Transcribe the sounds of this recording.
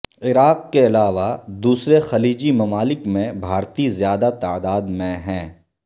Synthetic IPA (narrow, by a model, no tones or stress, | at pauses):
ɪɾaːqkeɐlaːʋad̪uːsɾexɐliːd͡ʒimɐmaːlɪkmẽbʱaːɾt̪izjaːd̪at̪aːd̪aːd̪mẽɦɛ̃ː